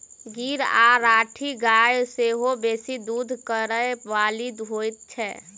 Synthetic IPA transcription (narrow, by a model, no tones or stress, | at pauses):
ɡiɾa̰ɾaːʈʰiɡajseɦobeːsid̪ud̪ʱkəɾəeʋaːlid̪ɦojt̪̚t͡ʃʰɛ